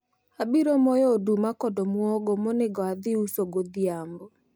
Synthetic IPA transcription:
abiɾɔmojodumakɔdɔmwɔɡɔmoneɡɔaðiusoɡoðiambo

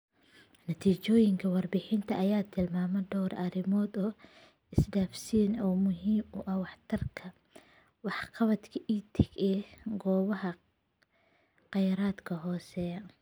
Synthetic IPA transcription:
nɐt̪ʰiːt͡ʃɔːjɪŋkʰɐwɑrbɪħɪnt̪ʰɐʔɐjaːt̪ʰɪlmaːmɛɖɔwrʔɐɾɪmɔːd̪ɔː | ɪsɖaːfsiːnɔːmʊɦiːmʊʔɐwɑħt̪ʰɐrkʰɐ | wɑħqɑβɐt̪kʰɐʔiːt̪ʰɪɡɛːɡɔːβɐɦɐ | qɑjɾaːd̪kʰɐɦɔːsɛː

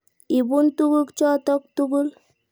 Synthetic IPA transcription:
ibunt̪uɡukt͡ʃɔt̪ɔk̚t̪uɡul

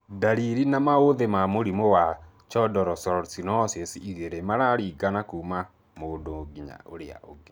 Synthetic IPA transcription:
daɾiɾinamaoðemamoɾimowa | t͡ʃɔdɔɾɔsɔɾsinɔsesiiðeɾemaɾaɾiɡanakuːma | moːndoɡiɲa̰ʔoɾea̰ʔoɡe

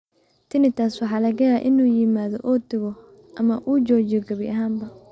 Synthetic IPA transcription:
t̪ʰɪnɪt̪ʰaswɑħɑːlɐɣɐjaːʔɪnuːjɪmaːðɔʔɔːd̪ɪɣɔ | ʔɐmɐʔuːt͡ʃɔːt͡ʃɪɔɡɐβɪʔɐɦaːmbɐ

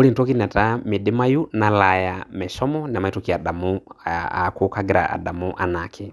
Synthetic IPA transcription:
ulintɔkinɛtamidimajunalajamɛʃɔmɔnɛmaitɔkiaɗamua̰kukaɡiɾa̰ʔa̰damuʔanakʰi

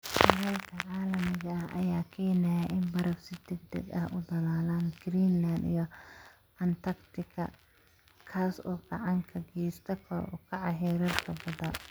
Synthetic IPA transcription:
ʃɐɣɐlkʰɐʕɑːlɐmɪɣɐɐhʔɐ̰jaːkʰɛːnɛjɐʔɪnbɐɾɐfsɪd̪ɛɡd̪ɛ̰ɡɐhʊd̪ɐlaːlaːnɡ̥ɾiːnland̪ḭjɞ | ɐnt̪ʰɐkt̪ʰɪkʰɐ̰ | kʰaːsɔːɡɑʕɑŋkʰɐɡɛːst̪ʰɐkʰɐɾ̰ʔɔ̰kʰɑʕɑɦɛːɾɐrkʰɐbɐðɐ

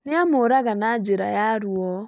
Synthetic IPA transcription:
nɪamʊɾaɣanad͡ʒɪɾa̰jaɾwɔ

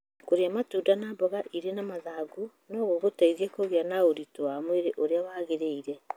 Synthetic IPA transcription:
koɾeamatuːdanabɔɣaʔiɾenamaðaɡu | noɣoɣotaiðiekoɣjanaoɾitoamweɾeʔoɾeawaːɣeɾeiɾɛ

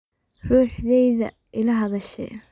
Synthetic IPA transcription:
ruːħðɛjðɐ̰ | ʔɪlɐɦɐðɐʃɛ̰

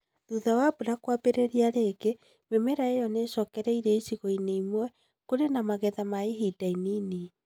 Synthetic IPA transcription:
ðuðawabuɾakwabeɾeɾiaɾeɡe | memɛɾaejɔneʃɔːkɛɾɛiɾɛisiɣoineimwɛ | koɾenamaɣɛðamaeɦidainini

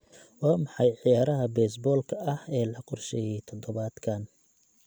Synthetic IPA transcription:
waːmɑħɑjʕijaːɾɐɦɐbɛːsbɔːlkʰɐʔɐhɛːlɐqɔrʃɛjɛjt̪ʰɔd̪ɔβaːd̪kʰɐn

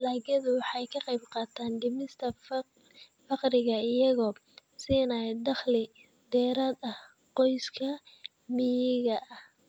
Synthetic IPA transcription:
laːɣɐðʊwɑħɑjkʰɐqɑjbqɑːt̪ʰaːnɖɪmɪst̪ʰɐ | fɑqɾɪɣɐɪjɐɣɔːsiːnad̪ɑχlɪ | d̪ɛːɾaːd̪ɐh | qɔjskʰɐ | mɪjɪɣɐʔɐh

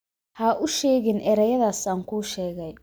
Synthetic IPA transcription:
haʔʊʃɛːɣɪnʔɛːɾɛjɐðaːsaːŋkʰuːʃɛːɣɛj

